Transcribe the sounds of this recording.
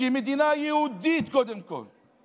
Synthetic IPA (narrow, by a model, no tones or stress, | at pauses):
imɪd̪inaːjiwd̪iːt̪kod̪ɪmko̰n